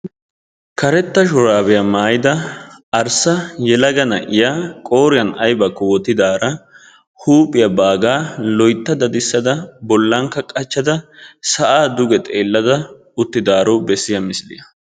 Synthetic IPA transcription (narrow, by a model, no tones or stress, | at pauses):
kɐɾɛt̪ːɐʃ̬ɔɾaːbɛjɐmaːjɪd̪ɐɐɾsɐjɛlɐɡɐnɐʔɪjaːkʼoːɾɪjɐnɐjbɐkːɔwɔt̪ɪd̪aːɾɐ | huːpʼːɪjɐbaːɡaːlɔjt̪ːɐd̪ɐd̪ɪsːɐd̪ɐbɔlːɐŋkːɐkʼɐt͡ʃːɐd̪ɐsɐʔaːd̪ʊɡɛt̪ʼe̞ːlːɐd̪ɐ | ʊt̪ːɪd̪aːɾɔbɛsːɪjɐmɪslɪ̰jɐ